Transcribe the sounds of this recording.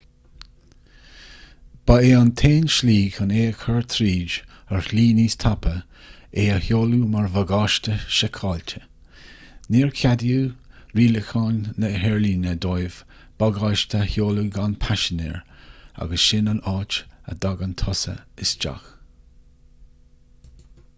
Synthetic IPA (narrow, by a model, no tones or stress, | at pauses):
b̥aeːant̪ʰeːnʃliːɡaneːəkʰəɹt̪ʰɾiːd͡ʒ | əɹliːniːst̪ʰapə | eːəhjoːlumaɹvəɡɑːʃtəʃɛkʰɑːltʰə̥ | niːɹkʰadjuːɾiːləxɑːnːəɦɛɹliːnəd̪ɔjv̥ | b̥aɡɑːʃt̪ʰəhjoːluɡanpʰaʃɪnɛ̰ːɹa̰ɡəsʃɪnanɑːt͡ʃə̰d̪aɡant̪ʰɔsə̰ɪsd͡ʒa̰x